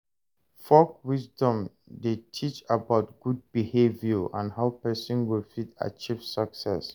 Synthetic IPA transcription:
fɔkwisdɔ̃m | detʰit͡ʃabaʊt̚ɡ̥ud̚bihevjɔʔã̰nhaʊpɛsɔ̃nwilfita̰t͡ʃivsəksɛ̰s

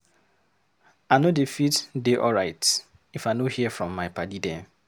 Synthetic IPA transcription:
anodefitdeʔɔɹaɪt | ifaɪnohiəfɹɔ̃mːaɪpadidɛ̃

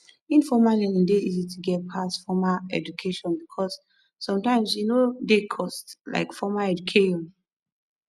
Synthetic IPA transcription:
ĩnfɔmalɛnĩndeizitʰuɡɛt̚pʰasfɔmaɛ̰d͡ʒukʰeʃɔ̃nbikʰɔsː | ɔ̃mtãɪ̃msjunodekʰɔstla̰ɪkfɔmaɛd͡ʒukʰeʃɔ̃n

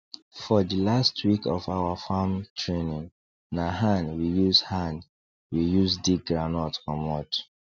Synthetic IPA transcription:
fɔdilastwikɔfawafamtʰɹenĩn | naɦãnwijuzhãn | wijuzdiɡɹanɔtɔ̃nwɔt

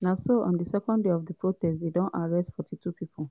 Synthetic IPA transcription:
nasoʔɔ̰̃ndəsɛkɔ̃ndeɔvdəpʰɹotɛstdedɔ̃naɹɛstfɔtʰitupipʰu

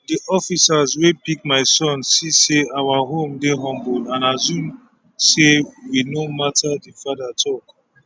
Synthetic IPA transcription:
diʔɔfisazwebikmaɪsɔ̃nsiseawaɦõmdeɦɔ̃mbulãnazũm | sewinomatʰadifadatʰɔk

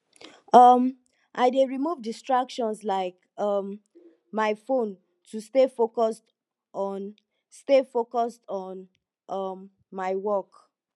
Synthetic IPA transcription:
ʌm | ʔaɪdeɹimuvdistɹakʃɔ̃nslaɪk | ʌm | maɪfõn | tʰustefokɔst | ɔ̃n | stefokɔstɔ̃n | ʔʌmː | aɪwɔk

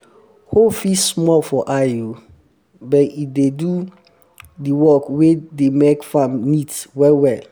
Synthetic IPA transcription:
hofismɔlfɔʔaju | bɛit̚dedu | diwɔkwedemekfãmnitswɛwɛl

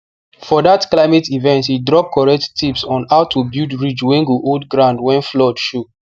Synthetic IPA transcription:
fɔdatklaɪmɛtivɛ̃ntidɹɔp̚kʰɔɹɛk̚ttipsɔ̃naʊtʰubidɹid͡ʒwẽŋɡuʔodɡɹãndwɛ̃nflɔdʃu

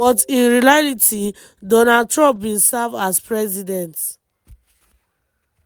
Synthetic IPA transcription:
bɔtĩnɹilaliti | dɔnad̚tɹɔ̃mp̚wĩnsavaspɹɛzidɛ̃nt

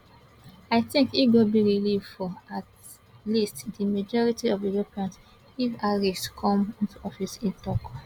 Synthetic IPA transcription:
aɪθĩŋkifɡobiɹilivfɔat | listdimad͡ʒɔɹitiɔvilopiãns | ifaɹiskʰɔ̃mĩntuɔfisĩntɔk

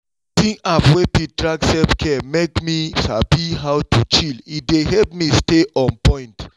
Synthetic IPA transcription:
tĩŋapwepit̚dɹaɡsɛpkʰɛmekmisabiɦawtʰut͡ʃilideɦɛlp̚misteʔɔ̃npɔ̃ɪ̃nt

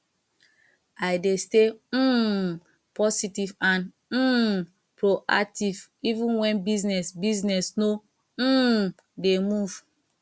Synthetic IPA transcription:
ajdeste | pɔsitivãn | m̩ | pɹoʔa̰k̚tivivĩnwɛ̃nbiznɛsbiznɛsno | demuv̥

